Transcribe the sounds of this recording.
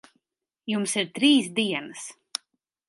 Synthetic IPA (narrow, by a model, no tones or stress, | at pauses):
jumsiɾt̪ɾiːsd̪iɛnəs